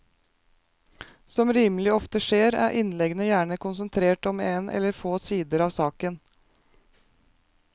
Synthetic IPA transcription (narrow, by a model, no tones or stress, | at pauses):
sɔmɾiːmlɪɔft̪əʂeːɾæ̰ːɾʔɪnlɛɡnəjæːɳəkʊnsənt̪ʰɾeːʈɔmeːnʔɛ̰lːəɾfoːsiːd̪əɾɑːʋsɑːkən